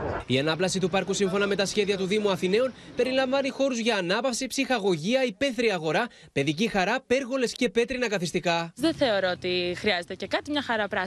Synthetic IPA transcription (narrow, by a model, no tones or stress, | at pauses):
iɐnɐplɐsit̪upɐɾkusiɱfo̞nɐme̞t̪ɐsçe̞ðiɐt̪uðimuɐθine̞o̞npe̞ɾilɐɱvɐnixo̞ɾuzʝɐːnɐpɐfsipsixɐɣo̞ʝiɐipe̞θɾiɐɣo̞ɾɐ | pe̞ðicixɐɾɐpe̞ɾɣo̞le̞sce̞pe̞t̪ɾinɐkɐθist̪ikɐðeθe̞o̞ɾoot̪ixɾiɐze̞t̪ece̞kɐt̪imɲɐxɐɾɐpɾɐ